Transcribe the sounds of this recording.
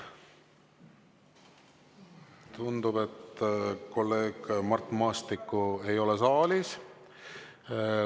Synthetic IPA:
t̪und̪̥ube̞t̪ko̞lːe̞ːɡ̥mɑrt̪ˑmɑːst̪ikːue̞jo̞lesɑːlis

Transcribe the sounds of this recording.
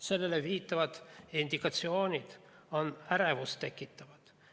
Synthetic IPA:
se̞lːeleviːt̪ːɑvɑd̪̥ind̪ikɑt̪sio̞ːnʲid̪̥ | onæɾevust̪e̞kːˑit̪ːɑvɑt̪

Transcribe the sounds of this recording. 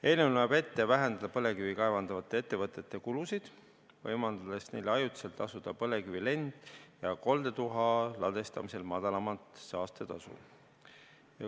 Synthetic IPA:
e̞lnewnoebe̞t̪ːevæɦend̪ɑd̪̥ɑpɤle̞kyvikɑe̞vɑnd̪̥ɑvɑt̪ːˑe̞et̪ːe̞vɤt̪ːˑe̞t̪ːˑe̞kulusid̪̥ | vɤjmɑnd̪ɑd̪e̞sne̞jleɑjut̪i̥selt̪ːˑɑsud̪̥ɑpɤle̞kyvile̞nd̪̥jɑko̞ld̪e̞t̪uɦɑlɑd̪e̞st̪ɑmise̞lmɑd̪̥ɑlɑmɑt̪sɑːst̪et̪ɑ̰sṵ | jɑ̰

